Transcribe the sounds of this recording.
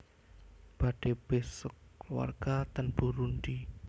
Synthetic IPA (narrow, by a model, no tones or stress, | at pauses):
b̥aɖ̥eb̥esək̚luwa̰rɡ̥at̪ənbuɾunɖi